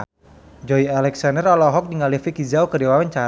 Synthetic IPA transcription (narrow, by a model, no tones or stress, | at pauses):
d͡ʒɔialɛksandərɔlɔɦɔk̚diŋalifikizaukədewawaɲt͡ʃa